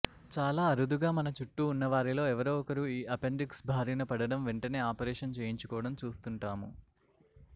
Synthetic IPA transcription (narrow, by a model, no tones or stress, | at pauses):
t͡ʃaːlaːɐɾud̪uɡaːmɐnɐt͡ʃuʈːuːnːɐʋaːɾilo̞ːɛʋɐɾoːɔkɐɾuiːʔɐpeɳɖiksbʱaːɾinɐpɐɽɐɽɐmʋeɳʈɐneːaːpɐɾeːʂɐnt͡ʃeːjiɲt͡ʃukɔːʋɐɽɐmt͡ʃuːst̪uɳʈaːmu